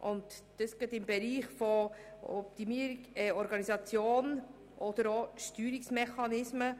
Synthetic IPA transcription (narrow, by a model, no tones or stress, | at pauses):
ʔʊnt̪d̥əsɡ̥ɛtɪmbɛɾiːχfɔɔp̚t̪imiɾɛɔɾɡɑnisɑt͡sjoːn | ʔɔd̥əɾoʃtyːɾɪksmɛχɑnɪsmə